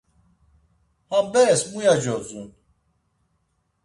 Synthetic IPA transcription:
habɛsmujad͡ʒɔt͡sṵn

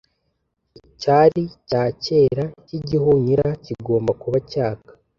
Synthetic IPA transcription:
caːɾicaːce̞ːɾaciɟihuɲiɾaciɡo̞ːmbakuβacaːkḁ

